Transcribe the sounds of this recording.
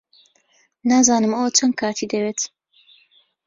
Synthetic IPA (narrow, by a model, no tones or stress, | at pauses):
naːzaːnɨmɐwɐt͡ʃʰɐn̚kʰaːt̪ʰiːd̪ɐweːt̪